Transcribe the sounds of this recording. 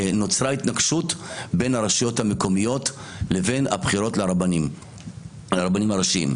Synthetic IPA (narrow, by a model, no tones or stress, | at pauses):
no̞t͡sʁaitnaɡʃutbenaʁaʃijo̞thameko̞mijo̞t | le̞ve̞na̰bχiʁo̞tleani | ʁabanimaʁaʃiḭm